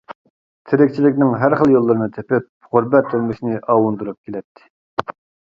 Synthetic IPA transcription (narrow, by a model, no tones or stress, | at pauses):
t̪ʰɪɾɪkʲt͡ʃʰilɪkʲnɪŋɦæɾχəlˠjolˠːɨɾɨnɨt̪ʰepɪp̚ʁʊɾbɛt̪ʰːølmɨʃnɪʔɑːwund̪uɾup̚kʲelɛt̪ʰːɪ̥